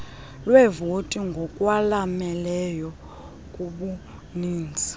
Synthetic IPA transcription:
lwɛvotʼiŋɡʱɔkʼwalamɛlɛjɔ | kʼuɓu | niːnd͡zʱi̥

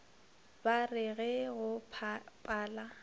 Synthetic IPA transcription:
barɪɣɛɣʊpʰpʼaːla

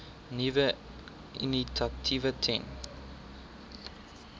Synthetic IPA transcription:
nivə | ʔḭnitʰatʰivətʰɛn

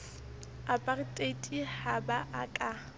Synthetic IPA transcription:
apʼaritʼetʼihabaʔakʼa

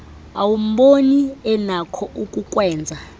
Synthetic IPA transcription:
awum̩ɓoniɛnakʰɔʔukʼukʼwɛːnd͡zʱa

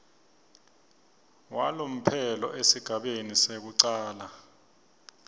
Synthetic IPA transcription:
walom̩pʰɛlɔ̰ʔesiɡ̥ʱaɓenisek̬uǀaːla

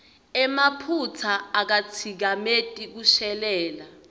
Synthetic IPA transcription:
ɛmapʰut͡sʰaːk̬at͡sʰik̬ametʼik̬uʃɛlɛːla

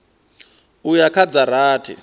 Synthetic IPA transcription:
ujakʰad͡zaɾaːtʰḭ

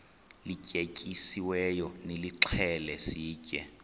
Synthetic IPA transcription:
likʼekʼisiwɛjɔnɪliǁʰɛlɛsiːkʼɛ̰

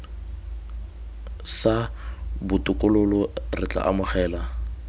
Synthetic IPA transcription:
sabʊtʼʊkʼʊlʊlɔrɪt͡ɬa̰ʔamʊχɛːla

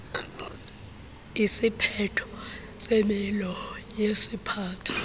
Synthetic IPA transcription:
isipʰɛtʰɔ̥ | semilɔjesipʰaːtʰḁ

